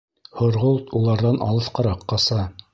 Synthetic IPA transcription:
hŏɾʁolˠt̪ulˠɑɾðɑnʔɑ̰lˠɤθqɑɾɑqːɑsɑ

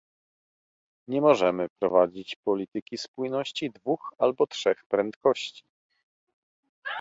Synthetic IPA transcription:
ɲɛmɔʐɛmɘpɾɔ̰vad͡ʑit͡ɕpɔlʲit̪ɘkʲispujnɔɕt͡ɕid̪vuxalbɔtʂɛxpɾɛnt̪kɔɕt͡ɕi̥

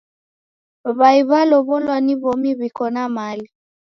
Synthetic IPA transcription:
βaiβalɔβɔlwaniβomiβikɔnamali

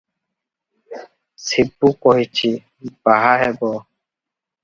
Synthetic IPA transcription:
sibːukɔɦit͡ʃʰi | baɦaɦɛbɔ

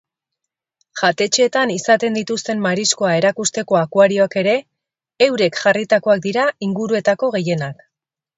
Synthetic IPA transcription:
ʝat̪e̞t͡ʃe̞ːt̪anisat̪e̞nd̪it̪ust̪e̞mmaɾisko̞ae̞ɾakust̪e̞ko̞akwaɾio̞ake̞ɾe̞ː | wɾe̞kʝarit̪ako̞ak̚d̪iɾaiŋɡuɾue̞t̪ako̞ɣe̞je̞nak

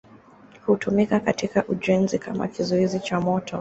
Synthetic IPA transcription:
hutumikakatikaʔuʄɛnzikama̰kizɔizit͡ʃamɔtʰɔ

